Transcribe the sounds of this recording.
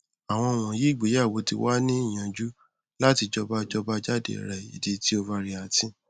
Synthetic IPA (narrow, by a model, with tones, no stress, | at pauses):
a˨w̃ɔ̃˧˨w̃ɔ̃˨je˨˦i˦˨ɡ͡be˨˦ja˦˨wo˨˧tḭ˧wa˦nĩ˦i˦˨j̃ã˧d͡ʒu˦ | la˦ti˧d͡ʒɔ˧ba˦d͡ʒɔ˧ba˦d͡ʒa˦dḛ˨ɾɛ˨ḭ˨de˧ti˦o˧va˧ɾi˧a˨tĩ˦